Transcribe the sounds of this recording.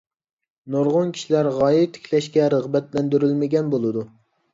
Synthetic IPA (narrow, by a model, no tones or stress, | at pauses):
noɾʁʊnkʲʰi̥ʃilæɾʁɑːjit̪ʰe̥kʲʰlɛʃkʲɛɾəʁbɛt̪lɛnd̪yɾylmɪɡʲɛnbolˠɨd̪u